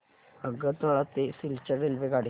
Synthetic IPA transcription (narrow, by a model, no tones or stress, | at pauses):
əɡət̪aɭat̪ːesilt͡ɕaɾelʋeɡaɽ̤i